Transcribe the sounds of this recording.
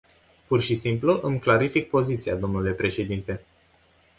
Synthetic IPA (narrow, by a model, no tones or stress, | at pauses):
purʃisimpluʔɨmklaɾifik̚po̞zit̪siad̪o̞mnule̞pɾe̞ʃe̞d̪int̪e̞